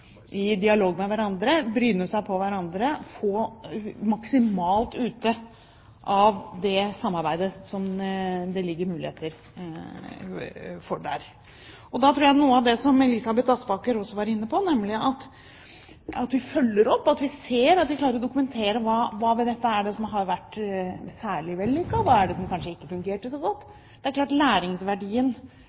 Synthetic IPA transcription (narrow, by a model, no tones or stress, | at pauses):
ʔɪd̪ɪɑloːɡmɛʋæɾɑnd̪ɾəbɾyːnːəsæɪpʰɔʋæɾɑnd̪ɾəfoːmɑksɪmɑːlt̪ʉːt̪ə | ʔɑʋd̪ɛsɑmːɑɾbæɪd̪əsɔmd̪ɛlɪɡːəɾmʉːlɪ̰heːt̪əɾ | fɔɖæ̰ɾ | ɔd̪ɑt̪ʰɾuːɾjæɪnuːəɑʋd̪ɛsɔmɛlɪsɑbɛt̪ːɑsbɑːkəɾɔsːɔʋɑːɾɪnːəpʰɔnɛmːlɪʔɑt̪ | ɑt̪ʋɪfœlːəɾɔpːɑt̪ʋɪseːɾɑt̪ʋɪkʰlɑːɾəɾɔd̪ʊkʉmɛnt̪ʰeːɾəʋɑːʋɑːʋɛd̪ɛt̪ːəæɖɛsɔmɦɑɾʋæʈːsæːɭɪʋɛlːyːkːəʋɑæɖɛsɔmkʰɑnʂəɪkːəfʉŋɡeːʈəʂɔɡɔt̪ː | d̪ɛæɾklɑːʈlæːɾɪŋsʋæɖiːən